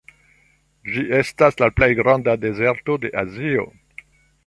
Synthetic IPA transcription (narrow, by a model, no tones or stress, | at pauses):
d͡ʒiʔe̞staslaplejɡɾɑ̃ndade̞ze̞ɾto̞de̞ʔazio̞̰